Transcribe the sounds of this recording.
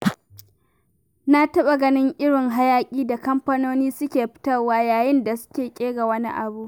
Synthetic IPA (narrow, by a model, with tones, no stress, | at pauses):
na˦tɐ˦ɓa˨ɡɐ˦nɪ˦ŋʔɪ˦ɽɪ˨ŋɦa˦jaː˦kʲʼiː˦da˨kɐ˦mɸɐ˦noː˦niː˦sʊ˦kʲeː˨ɸɪ̥˦tɐ˦waː˦jaː˨jɪ˦nda˨sʊ̥˦kʲeː˨kʲʼeː˦ɡa˨wɐ˦nḭ˦ʔa̰˨bu˦ʔ